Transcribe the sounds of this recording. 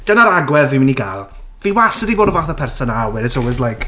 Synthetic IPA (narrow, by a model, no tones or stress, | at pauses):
d̥ənaɾaɡwɛðvimɪniɡalˠ | viwasədiboːdəvaθəpʰɛrsɔnawɛdɪtʰɔlˠwɛzlajk